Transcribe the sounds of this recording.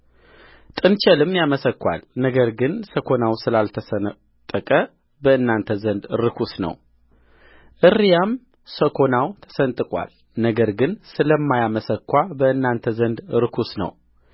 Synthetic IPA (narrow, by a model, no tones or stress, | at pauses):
t̪ʼɨnt͡ʃɛlɨmjaməsəkːʷa̰lnəɡəɾɡɨnsəkʰo̞nawsɨlalt̪ʰəsə | t̪ʼːəkʼə | bəʔɨnːant̪ʰəzənd̪ɾɨkʰusnə̰w | ʔɨrːijam | səkʰonawt̪ʰə̥sənt̪ʼɨkʼwa̰l | nəɡəɾɡɨnsɨləmːajaməsəkʰːʷabəɨnːant̪ʰəzənd̪ɾɨkʰusnə̰w